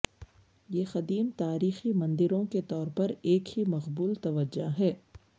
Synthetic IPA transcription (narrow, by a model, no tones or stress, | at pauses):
jeːxɐd̪iːmt̪aːɾiːximɐ̃nd̪ɪɾõket̪ɔːɾpɐɾeːkhimɐqbuːlt̪ɐʋəd͡ʒːaɦɛː